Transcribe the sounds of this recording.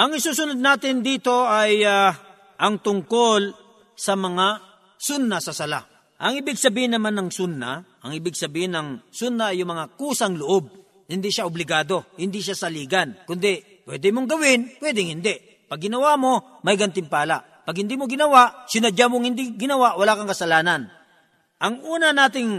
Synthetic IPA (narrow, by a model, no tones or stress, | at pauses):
ʔɐŋɪsuːsʊnʊd̪̚naːt̪ɪnd̪iːt̪o̞ʔaja | ʔɐŋt̪ʊŋkol | sɐmɐŋa | sʊnːasɐsɐla̰ | ʔɐŋɪbɪɡsɐbiːhɪnːɐmanːɐŋsʊnːa̰ʔɐŋɪbɪɡsɐbiːhɪnɐŋsʊnːaɐjʊŋmɐŋakuːsɐŋlʊʔob̚ | hɪnd̪iʃaʔʊblɪɡaːd̪o̞hɪnd̪iʃasɐliːɡɐnkʊnd̪ɛ | pwɛ̰ːd̪ɛmoŋɡɐwɪnpwɛːd̪ɪŋhɪnd̪ɛʔ | pɐɡːɪnɐwamo̞ | mɐjɡɐnt̪ɪmpaːlaʔ | pɐɡhɪnd̪iːmoɡɪnɐwaʔsɪnɐd͡ʒamoŋhɪnd̪iɡɪnɐwaʔwɐlaːkɐŋkɐsɐlaːnɐn | ʔɐŋʔuːnɐnaːt̪ɪŋ